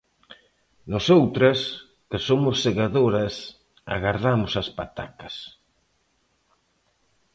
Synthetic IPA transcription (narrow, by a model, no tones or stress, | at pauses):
nosowt̪ɾes | kɪsomʊsːeɣaðoɾas | a̰ɣaɾðamʊsɐspat̪a̰kɐ̥s